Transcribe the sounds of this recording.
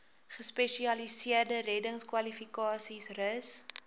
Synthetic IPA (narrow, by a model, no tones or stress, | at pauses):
χəspɛʃiɐlisiərdərɛdəŋskwɐlifikɑːsisrəs